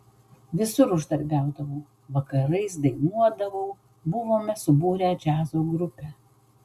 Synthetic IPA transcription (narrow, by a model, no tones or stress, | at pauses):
ʋʲɪsʊɾʊʒd̪ɐɾʲbʲæˑʊd̪ɐʋoː | ʋɐkɐɾɐɪs̬d̪ɐɪnuɔd̪ɐʋoː | bʊʋoːmʲɛsʊbuːɾʲæːd͡ʒʲæːzoːɡɾʊpʲæː